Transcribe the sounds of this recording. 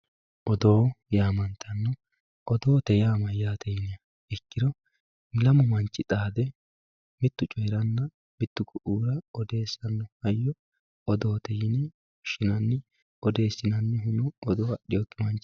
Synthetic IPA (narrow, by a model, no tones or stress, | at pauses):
ʔɔd̪o̞ːjaːmɐnt̪ʰɐnːɔ | ʔɔd̪o̞ːt̪ɛjaːmɐjaːt̪ʰɛjɪnɪɐ | ɪkːɪɾɔ | lɐmʊmɐnt͡ʃʼːɪt̪ʼaːd̪ɛ | mɪt̪ːʊt͡ʃʼɔjɾɐnːɐ | mɪt̪ːʊkʊʔuːɾɐɔd̪e̞ːsɐnːɔhɐjːɔ | ʔɔd̪o̞ːt̪ɛjɪnɛ | ʊʃɪnɐnːɪ | ʔɔd̪e̞ːsːɪnɐnːɪɦʊnʊʔɔd̪o̞ːɐɗɪjɔt̪ːɪmɐnt͡ʃːɪ